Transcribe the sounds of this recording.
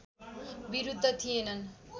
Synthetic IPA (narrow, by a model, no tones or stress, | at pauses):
biɾud̪ʱːʌt̪ʰijenʌn